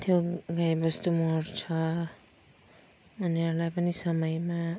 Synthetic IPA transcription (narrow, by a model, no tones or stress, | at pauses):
t̪ʰjoɡajbʌst̪umoɾt͡sʰʌ | uniʌɾlajpʌnisʌmʌjma